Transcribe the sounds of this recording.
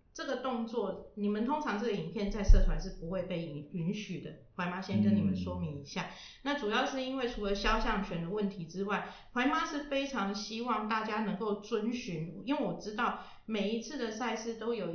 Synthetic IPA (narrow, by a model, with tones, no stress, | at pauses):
ʈ͡ʂɤ˥˩ɡə˨˩t̪ʊ˥˧ŋt͡swɔ˥˩ni˨˩mə˨nt̪ʰʊ˥ŋʈ͡ʂʰɑ˧˥ŋt͡sə˥˩ɡə˩i˨˩npʰjɛ˥˧nt͡sa˥˧ɪsɤ˥˩t̪ʰwa˧˥nʂɻ̩˥˩pu˧˥xwe˥˧ɪpe˥˩ɪ˧˦y˧˥nɕy˨˩d̪ə˦kwa˧˥ɪma˥ɕjɛ˥nkə˥ni˨˩mə˨˦nʂwɔ˥mi˨˥ŋi˧˥ɕja˥˩ | na˥˩ʈ͡ʂu˨˩jɑ˥˧ʊʂɻ̩˥˩i˥nwe˥˩ɪʈ͡ʂʰu˧˥lə˧˦ɕjɑ˥ʊɕjɑ˥˩ŋɕɥɛ˨˩nd̪ə˦wə˥˩nt̪ʰi˧˥ʈ͡ʂɻ̩˥wa˥˩ɪkwa˧˥ɪma˥ʂɻ̩˥˩fe˥ɪʈ͡ʂʰɑ˧˥ŋd̪ə˧ɕi˥wɑ˥˧ŋt̪a˥˩t͡ɕja˥nə˧˥ŋko˥˩ʊt͡swə˦˥nɕy˧˦˥ni˥nwe˥˩wɔ˨˩ʈ͡ʂɻ̩˥t̪ɑ˥˩ʊ | me˨˩ɪi˧˥t͡sʰɹ̩˥˩d̪ə˨sa˥˧ɪʂɻ̩˥˩t̪o˥ʊjo˨˩